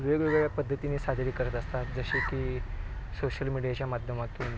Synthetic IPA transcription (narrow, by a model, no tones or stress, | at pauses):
ʋeɡʋeɡɭɭjapəd̪ʱːət̪iniːsad̪ʱɾiːkəɾət̪əst̪at̪d͡zəɕekiːsoɕəlmiɽijat͡ɕjamad̪ʱjəmat̪uːn